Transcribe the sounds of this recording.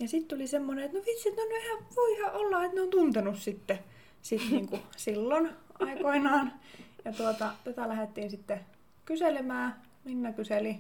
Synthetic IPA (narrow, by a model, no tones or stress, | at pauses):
jɑsit̪t̪ulisemːoneet̪noʋit̪siet̪neonyæhæʋoihɑʔolːɑet̪neoːnt̪unt̪enussit̪ːe | sit̪niːŋkusilːonʔɑikoinɑːnjɑt̪uot̪ɑt̪æt̪ælæhet̪ːiːnsit̪ːe | kyselemæː | minːækyseli